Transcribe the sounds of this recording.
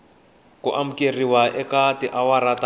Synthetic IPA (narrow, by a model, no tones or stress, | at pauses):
kuʔam̩keriwaʔɛkatiʔawaɾata